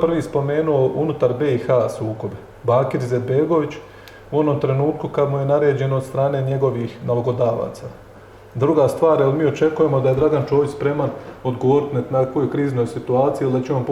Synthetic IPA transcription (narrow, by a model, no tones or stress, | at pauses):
prʋiːspo̞me̞ːnuo̞ʔunut̪aɾbeixasuːko̞be | baːkiɾize̞d̪be̞ɡo̞ʋit͡ɕ | uo̞no̞mt̪ɾe̞nuːt̪kukad̪muje̞naɾe̞ːd͡ʑe̞no̞ːd̪st̪ɾaːne̞ːɲe̞ɡo̞ʋixnalaɡo̞d̪aːʋa̰ːt̪sa | d̪ɾuɡast̪ʋaːɾjelmiːo̞t͡ʃe̞kuje̞mo̞d̪ajed̪ɾaɡant͡ʃo̞ːʋit͡ɕspɾe̞mano̞d̪ɡoʋoːɾit̪nat̪nako̞jojkɾiːzno̞jsit̪uaːt̪sijild̪at͡ɕeamp